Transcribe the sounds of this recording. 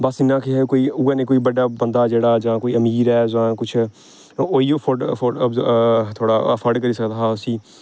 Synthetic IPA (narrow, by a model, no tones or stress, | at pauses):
basɪnãːkʰeɦɛkoːiːʊɡanẽːkoːiːbəɖaːbə̃nd̪aːd͡ʒeːɽaːd͡ʒãːkoːiːəmiːɾɛːzãːkʊt͡ʃʰ | oːifʰofʰobt̪ʰoːɽaːfʰəɖkəɾiːsəkd̪aaːsĩː